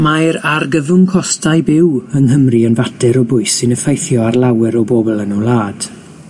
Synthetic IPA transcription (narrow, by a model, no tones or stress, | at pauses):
majɾarɡəðʊŋkʰɔstajbɪwəŋɦəmriənvadɛɾɔbʊɨsɨnəfejθjɔarlˠawɛɾɔboːblˠənɔlˠaːd̥